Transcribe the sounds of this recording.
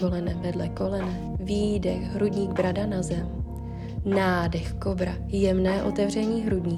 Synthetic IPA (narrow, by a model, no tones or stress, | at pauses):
olɛnɛvɛdlɛko̞lɛnɛ | viːdɛxɦɾudɲiːɡbɾadanazɛm | naːdɛxko̞bɾa | jɛmnɛːʔo̞t̪ɛvr̝ɛɲiːɦɾudɲiː